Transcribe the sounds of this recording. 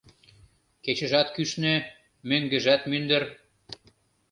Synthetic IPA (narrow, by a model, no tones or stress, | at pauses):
ket͡ɕə̆ʒɑt̪kyʃnø | møŋɡə̆ʒæt̪mynd̪ə̆r